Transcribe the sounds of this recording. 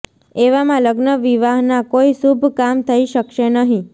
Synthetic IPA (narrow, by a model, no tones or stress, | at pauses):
eʋamãləɡnəʋiʋaɦnakoiʃubʱkamt̪ʰəiʃəkʃenəɦĩ